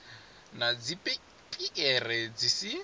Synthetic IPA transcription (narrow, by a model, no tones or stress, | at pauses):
nad͡zipʼɛ | pʼiʔɛrɛd͡zisi